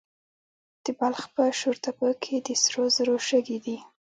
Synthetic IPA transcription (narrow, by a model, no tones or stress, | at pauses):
d̪̥əbalxpəʃuɾt̪apəkʰed̪əsɾozəɾoʃəɡid̪i